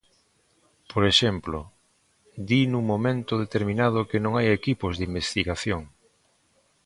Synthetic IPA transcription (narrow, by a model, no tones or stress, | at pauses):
poɾeʃemplo | d̪inuŋmõmẽnt̪ʊðet̪eɾmĩnað̞ʊkenõŋajekipozðimbest̪iɣaθjoŋ